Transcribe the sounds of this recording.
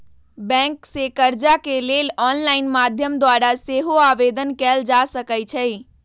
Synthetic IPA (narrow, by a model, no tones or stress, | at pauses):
bɛ̃ŋksekəɾd͡ʒakelelɔnlaɪnmad̪ʱjəmd̪waɾaseɦoaʋed̪ənkɛld͡ʒasəkət͡ʃʰə